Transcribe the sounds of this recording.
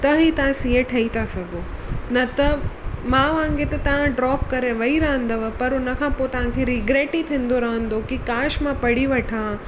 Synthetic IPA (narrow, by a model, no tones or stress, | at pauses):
t̪ɐɦit̪ɐʋãsieʈʰɐit̪ʰasɐɡo | nɐt̪ɐmãʋãŋɡet̪ɐt̪ɐʋ̤ãɖɾɔːp̚kɐɾẽʋɐiɾɐɦə̃nd̪ɐʋɐpɐɾʊnɐkʰãːpot̪ɐʋ̤ãkʰeɾiɡɾeːʈit̪ʰĩːn̆d̪oɾɐɦə̃nd̪okikaːʃmãpɐɽiʋɐʈʰã